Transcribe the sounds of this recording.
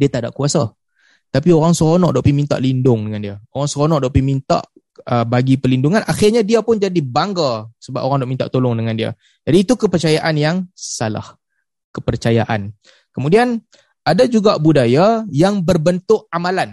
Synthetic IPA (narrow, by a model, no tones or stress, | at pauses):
diat̪ada̰ʔkuasa | t̪apioɾaŋsəɾonɔ̰ʔdaʔpimint̪a̰ʔlindʊŋdəŋandiaoɾaŋsəɾonɔʔdaʔpimint̪a̰ʔ | əbaɡipəlinduŋanʔaxɪrɲadiapʊnd͡ʒadibaŋɡasəbapʔoɾaŋdaʔmint̪a̰ʔt̪olʊŋdəŋãndia̰ | d͡ʒadiːt̪ukəpərt͡ʃajaʔanjaŋsala̰h | kəpərt͡ʃajaʔa̰n | kəmũdian | adad͡ʒuɡaʔbudajajaŋbərbənt̪ʊʔamalan